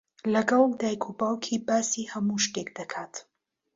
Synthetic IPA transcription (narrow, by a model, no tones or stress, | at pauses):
lɐɡɐld̪aːjkʰubaːwkʰiːbaːsiːhɐmuʃt̪ekd̪ɐkʰaːt̪